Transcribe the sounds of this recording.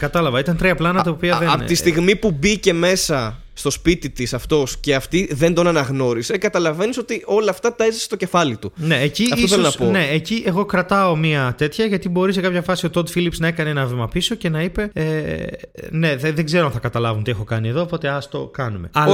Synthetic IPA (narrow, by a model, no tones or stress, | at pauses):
kɐt̪ɐlɐvɐit̪ɐnt̪ɾiɐplɐnɐt̪ɐopiɐðept̪ist̪iɣmipubice̞me̞sɐ | st̪o̞spit̪it̪isɐft̪o̞sce̞ɐft̪iðe̞nd̪o̞nɐnɐɣno̞ɾise̞kɐt̪ɐlɐve̞niso̞t̪io̞lɐːft̪ɐt̪ɐezɐsest̪oce̞fɐlit̪une̞eciɐfiosθelonɐspone̞eciʔeɣo̞kɾɐt̪ɐo̞miɐt̪e̞t̪çɐʝɐt̪ibo̞ɾise̞kɐpçɐfɐsio̞t̪od̪filipsnɐe̞kɐneenɐvimɐpiso̞ce̞nɐipe̞e | ne̞ðeðeɡze̞ɾoɐnθɐkɐt̪ɐlɐvunt̪iexo̞kɐnieðoːpo̞t̪e̞ɐst̪o̞kɐnume̞̰ɐ